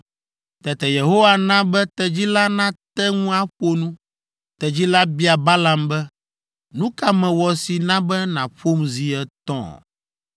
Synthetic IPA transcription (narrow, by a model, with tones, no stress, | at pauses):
t̪ɛ˨t̪ɛ˨je˨ɦo˦wa˦nã˦bɛ˦t̪ɛ˨d͡ʑi˦la˦nã˦t̪ɛ˦ŋũ˦a˦ɸo˦nũ˦ | t̪ɛ˨d͡ʑi˦la˦bi˦a˨ba˦la˨mbɛ˦ | nũ˦ka˦mɛ̃˨wɔ˨si˨nã˦bɛ˦nã̰˨ɸo˦mzi˨ɛ˦t̪ɔ̰̃˦˨